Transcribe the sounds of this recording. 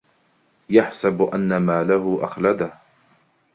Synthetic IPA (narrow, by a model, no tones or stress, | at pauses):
jaħsabʔanːamaːlahʊʔaxlad̪ah